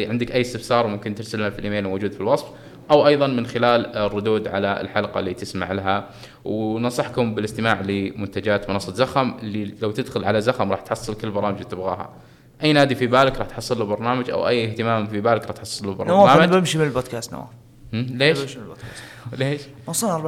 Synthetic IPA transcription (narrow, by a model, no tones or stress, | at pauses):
ʕɪnd̪ɪkʔajːɪst̪ɪfsɑːɾˤwmʊmkɪnt̪ɪɾsalnafilʔɪmeːlmowd͡ʒuːd̪filwɑsˤf | ʔawʔɑjðˤɑnmɪnxɪlaːlrːʊd̪uːd̪ʕalaɪ̰lħalqɑ̰lːiːt̪ɪsma̰ʕlaɦa | wnɑsˤɑħkʊmbɪlɪst̪ɪmaːʕlɪmʊnt̪ad͡ʒaːt̪mʊnɑsˤːɑt̪zaxamʔɪlːilawt̪ɪd̪xʊlʕalazaxamɾˤɑːħt̪ħɑsˤːɨlkʊlːbɑɾˤɑːmɪd͡ʒt̪ːɪbɣa̰ːɦa̰ | ʔajːnaːd̪ifibaːlɪkɾˤɑːħt̪ħɑsˤːɨlːubɑɾˤnaːmad͡ʒʔa̰wʔajːɪht̪ɪmaːmfibaːlɪkɾɑːt̪ħɑsˤːɨlːubɑɾˤwnaaːmabɪmʃimɪnɪlboːd̪̚kaːst̪na̰wa̰ | hleːʃka | leːʃ | mɑsˤɑnɑˤ